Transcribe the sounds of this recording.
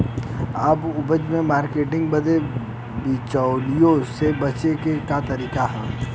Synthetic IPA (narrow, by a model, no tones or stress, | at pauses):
əbʊbəd͡ʒmẽmaːɾkeːʈɪ̃ŋɡbəd̪e | biːt͡ʃaːʊlijosebɐt͡ʃekekat̪ɐɾiːkaɦɛ̃ː